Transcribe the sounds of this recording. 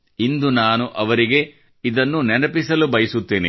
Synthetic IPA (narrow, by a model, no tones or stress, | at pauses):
ind̪unaːnuʔɐʋɐɾiɡe̞ | id̪ɐnːunɛnɐpisɐlubɐjɐsut̪ːeːnḭ